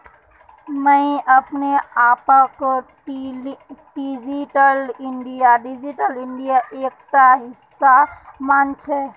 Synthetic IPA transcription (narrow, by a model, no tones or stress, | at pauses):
mə̃ɪʔəpneapək | ɖid͡ʒiʈəliɳɖijaɖid͡ʒiʈəliɳɖijaʔek̚t̪aɦɪsːamant͡ʃʰɛ